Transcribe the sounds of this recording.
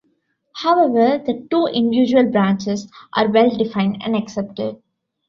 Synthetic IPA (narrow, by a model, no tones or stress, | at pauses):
haʊɛʋəɾd̪əʈuːʔɪ̃nɖjuːd͡ʒuəlbɾãːnt͡ʃɪsʔa̰ːɾʋɛlɖɪfãɪ̃nɖæ̰̃ɳɖɐksɛp̚ʈɪɖ̚